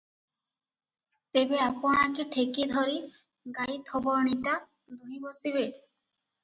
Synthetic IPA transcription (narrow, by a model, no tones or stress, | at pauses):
t̪ebeapɔñakiʈʰekid̪ʱɔɾi | ɡajt̪ʰɔbɔɾniʈa | d̪uɦibosiβe